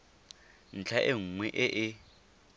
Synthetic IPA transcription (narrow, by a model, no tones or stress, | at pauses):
n̩t͡ɬʰaʔɪŋ̩ŋwɛʔɪʔɪ